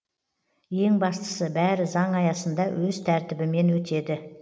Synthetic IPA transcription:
je̞ŋbɑst̪ə̥səbæɾɪzɑŋɑjɑsənd̪ɑwʔɵzt̪ʰæɾt̪ɪbɪme̞nwɵt̪e̞d̪ɪ

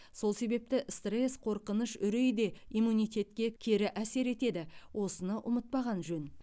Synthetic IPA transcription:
so̞lˠse̞be̞p̚t̪ɪʔst̪resqʰo̞ɾqənəʃʏɾe̞jd̪e̞imːunijt̪ʲe̞t̪kʲe̞kʲʰe̞ɾɪʔæse̞ɾe̞t̪e̞d̪ɪwʔo̞sənɑʔʊmət̪̚pɑʁɑnʒɵn

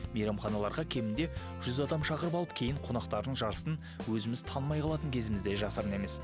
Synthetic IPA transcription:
mejɾɑmχɑnɑlˠɑɾʁɑkʲʰe̞mɪnd̪e̞ | ʒ̥ʏzɑd̪ɑmʃɑqəɾəpɑlˠəp̚kʲʰe̞jɪɴqʰo̞nɑqt̪ɑɾd̪əɴʒɑɾəsən | wɵzɪmɪzt̪ʰɑnmɑjqʰɑlˠɑt̪əŋkʲʰe̞zɪmɪzd̪e̞ʒɑsɑɾəne̞me̞s

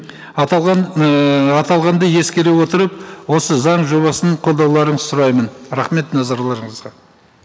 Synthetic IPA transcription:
ɑt̪ɑlˠʁɑnd̪əje̞skʲe̞ɾewo̞t̪əɾəp̚wo̞səzɑɴʒo̞βɑsəɴqʰolˠd̪ɑwlˠɑɾəɴəz̥sʊɾɑjmənɾɑχme̞t̪nɑzɑɾlˠɑɾəɴəzʁɑ

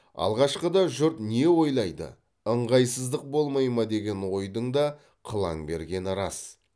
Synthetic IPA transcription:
ɑ̰lˠʁɑʃqəd̪ɑʒʊɾt̪ne̞wo̞jlˠɑjd̪ə̰ | əɴʁɑjsəzd̪əq̚bo̞lˠmɑjmɑd̪e̞ɡʲe̞nwo̞jd̪əɴd̪ɑ | qʰəlˠɑ̰ŋbe̞ɾɡʲe̞nɾɑs

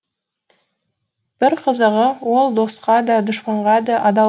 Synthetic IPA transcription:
b̥ɪɾqʰəzəʁəwolˠd̪o̞sqɑd̪ɑd̪ʊʃpəɴʁɑd̪ɑʔɑd̪ɑ

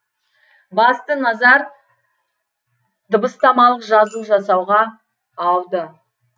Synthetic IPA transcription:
bɑst̪ənɑzɑɾ | d̪̥əbəst̪ɑmɑlˠəqʒɑzəlˠʒɑsɑwʁɑː | w̪ˠd̪ə

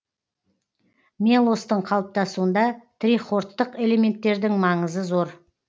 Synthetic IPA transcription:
melˠost̪əɴqʰɑlˠəp̚t̪ɑsuənd̪ɑt̪ʰɾiχo̞ɾt̪ːəqe̞le̞me̞nt̪ːe̞ɾd̪ɪŋmɑɴəzəzo̞ɾ

